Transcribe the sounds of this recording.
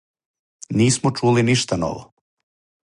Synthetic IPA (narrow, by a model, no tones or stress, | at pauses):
niːsmot͡ʃuːliniʃt̪ano̰ʋo̰